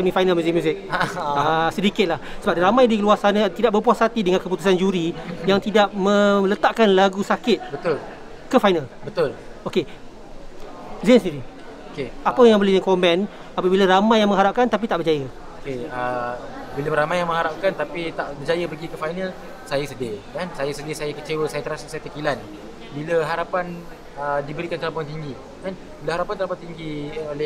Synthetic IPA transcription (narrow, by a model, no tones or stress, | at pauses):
kamĩfajnalmjuzɪk̚mjũzɪk̚aasədikɪt̪̚lahsəbap̚ramãjdiluarsanat̪idaʔ̚bəpuasat̪idəŋãnkəp̬ut̪usand͡ʒuɾijaŋt̪idaʔ̚mə̃lət̪aʔkanlaɡusakɪt̪̚bət̪ʊl | kəfajnalbət̪ʊloke | zɛnsəniɾi | okeapəjaŋbəlɪzɛŋkɔmbɛn | apəbilaɾamajːaŋmə̃ŋɦaɾap̚kant̪ap̬it̪aʔbərd͡ʒajə | okeə | biləɾamajaŋmə̃ŋɦaɾap̚kant̪apit̪aʔbərd͡ʒajəpəɡikəfajnəl | sajəsədekansajasədɪsajakət͡ʃewəsajat̪əɾasəsajat̪əkilan | biləɦaɾapan | ədibəɾikant̪alampɔjaŋt̪iŋɡi | kan | biləhaɾapant̪alampat̪iŋɡiolɛ